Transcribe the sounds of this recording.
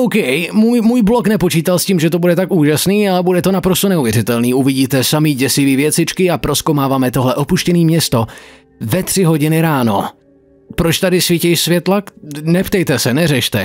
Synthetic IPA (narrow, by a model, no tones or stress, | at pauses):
owkɛjmuːjmuːjbloknɛpo̞t͡ʃiːt̪alsciːmʒɛt̪obudɛt̪akuːʒasniːalɛbudɛt̪onapɾost̪onɛuvjɛɾɪt̪ɛlniːʔuvɪɟiːt̪ɛsamiɟɛsɪviːvjɛt͡sɪt͡ʃkɪapɾo̞skowmaːvaːmɛt̪o̞ɦlɛʔo̞puʃcɛniːmɲɛst̪o | vɛt̪r̥ɪɦo̞ɟɪnɪɾaːno̞ | pɾot͡ʃt̪adɪsvɪcɛjʃsvjɛt̪laknɛpt̪ɛjt̪ɛsɛnɛrɛʃt̪ɛ̰